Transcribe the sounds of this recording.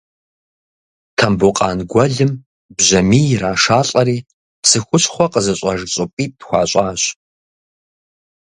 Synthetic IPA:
tʰɐmbuqʼɑːnɡʷɔɮɨm | bʑɐmiːjraːʂaːɬʼɐɾiː | sɨxʷʊɕχʷɔqəzɐɕʼɐʒɕʼʊpʼiːdxʷɑːɕʷʼaːɕ

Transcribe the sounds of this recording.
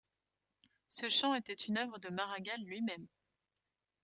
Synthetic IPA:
səʃɑ̃et̪ɛt̪ʰynœvʁəd̪əmaʁaɡalːɥimɛm

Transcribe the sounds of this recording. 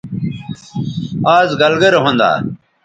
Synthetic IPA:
aːzɡɐlɡɐɾɦõnd̪a̰ː

